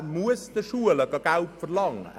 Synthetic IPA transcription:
muəsd̥əʃuələɡɑɡ̥alpfərlɑŋə̰

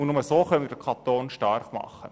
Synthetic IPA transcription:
ʊnʊməsoːχœnmiɾd̥əkʰɑt̪oːnʃtɑrχmɑ̰χːə

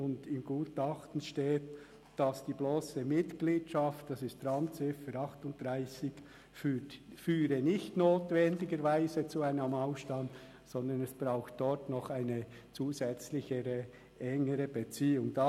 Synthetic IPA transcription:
ʊndɪmɡ̥uːtɑχtn̩ʃteːt | d̥ɑsd̥iːbloːsəmɪtɡliːtʃɑftd̥ɑsɪstrɑmt͡sɪfəɾɑχtʊnt̚d̥ʁaɪsɪç̥ | fyːɾənɪçtnoːtvɛndɪɡəɾvaɪzət͡suaɪnəmɑʊʃtɑnt | sɔndənɛsb̥ɾaʊxt̚d̥ɔɾtnɔχaɪnə | t͡suːzɛt͡slɪçəɾə | ʔɛŋəɾəbət͡siːʊŋdɑ

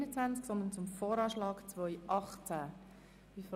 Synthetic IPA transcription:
nət͡sʋant͡sksɔnd̪ənt͡sʊmfɔːɾɑːʃlɑːɡt͡svœʏʔɑχt͡sa | v̥if

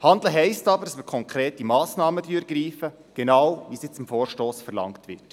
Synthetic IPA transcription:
hɑnd̪l̩ɦɛɪstɑbəɾdɑsməkʰɔŋkɾeːtimɑːsnɑːmədyːɾɡɾiːfə | ɡ̥ɛnɑːwʋisjɪt͡sɪmfoːɾʃtoːsfəɾlɑ̰ŋktʋɪ̰t

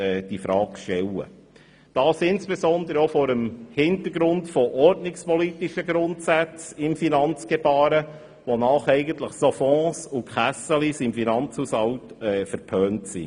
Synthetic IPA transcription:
ɛːd̥ifɾɑːkʃtɛlːə̰ | d̥ɑːsɪnsb̥esɔnd̪əɾəofɔːɾəmhɪnt̪əɾɡɾʊntfɔʔɔrdnɪkspɔlit̪iʃəɡɾʊntsæt͡sɪmfinɑnt͡sɡ̥eb̥ɑːɾə | ʋonɑːχɛɪɡənt̪ləχsɔfɔ̃ːsukʰχæsəlisɪmfinɑnt͡shusɑwtɛfəɾpʰœːntsḭ

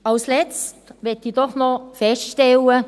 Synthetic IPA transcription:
ɑlslɛt͡stʋɛtidɔχnɔfɛstʃtɛlə

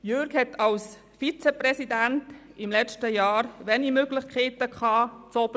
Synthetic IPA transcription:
jøɾkhɛtʰɑls | fit͡sɛprɛsidænt | ɪmlɛt͡ʃtəjɑːɾʋɛnimøɡlɪχkʰχeːtəkχɑːt͡sɔb̥

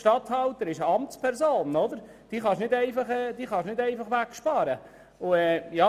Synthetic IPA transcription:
ʃtɑt̪hɑlt̪əɾɪʃəɑmt͡spʰɛɾsoːnɔd̪əɾ | d̪̥iːχɑʃnɪdɛɪfɑχɛːd̥̪iːχɑʃnɪdɛɪfɑχʋækʃpɑːɾə | ʊɛːjɑ

